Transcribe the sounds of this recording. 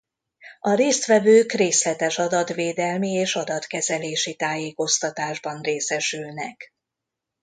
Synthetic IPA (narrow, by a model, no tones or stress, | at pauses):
ɒɾeːst̪ʋɛvøːkreːslɛt̪ɛʃɒd̪ɒt̪ʋeːd̪ɛlmieːʃɒd̪ɒt̪kɛzɛleːʃit̪aːjeːko̞st̪ɒt̪aːʒbɒnreːsɛʃylnɛk